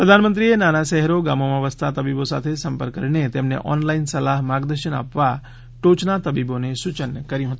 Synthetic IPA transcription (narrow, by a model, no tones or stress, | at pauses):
pɾəd̪ʱanmənt̪ɾienanaʃɛɦɾoɡamomãʋəst̪ʰat̪əbibosa̰t̪ʰesəmpəɾkːəɾɳet̪emnḛʔɔ̰nlainsəlaɦmaɡd̪əɾʃəna̰pʋa | ʈot͡ʃnat̪əbibonesʊt͡ʃənkəɾjũɦət̪ũ